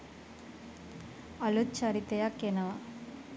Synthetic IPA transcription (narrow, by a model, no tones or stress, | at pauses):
ɐlut̪t͡ʃaɾit̪ejakenɐʋa